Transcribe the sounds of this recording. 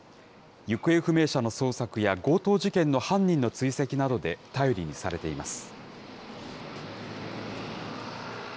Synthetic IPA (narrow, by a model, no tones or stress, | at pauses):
jɯ̟kɯ̟e̞ɸɯ̟me̞ːɕano̞so̞ːsakɯ̟jaɡo̞ːt̪o̞ːʑikẽ̞nːo̞hãɲ̟ːĩnːo̞t͡sɨise̞kʲinad̪o̞d̪e̞t̪ajo̞ɾʲiɲ̟isa̰ɾe̞t̪e̞imasɨ̥